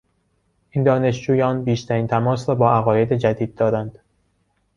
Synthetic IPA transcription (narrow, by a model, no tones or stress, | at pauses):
ʔiːnd̪ɒːne̞ʃd͡ʒuːjɒːnbiːʃt̪ʰæɾiːnt̪ʰæmɒːsɾɒːbɒːʔæɣɒːje̞d̪e̞d͡ʒæd̪iːd̪̚ːɒːɾænd̪̥